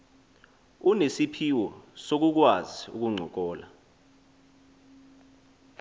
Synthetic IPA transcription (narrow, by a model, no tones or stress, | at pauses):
unesipʰiwɔsok̬uk̬waziṵk̬uŋ͡ǀʱɔk̬ɔːla̰